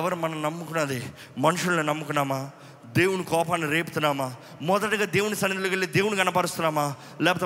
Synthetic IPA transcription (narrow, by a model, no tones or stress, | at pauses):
ʋɐɾumɐnɐmnɐmːukunɐd̪i | mɐnuʂulninɐmːukunːaːmaː | d̪e̞ːwunikɔːpaːnːiɾeːpu̥t̪unːaːmaː | mɔd̪ɐʈiɡaːd̪eːwunisɐnːid̪ulukeɭːid̪e̞ːwuniɡɐnɐpaːɾust̪unːaːmaː | lɛːpɐt̪e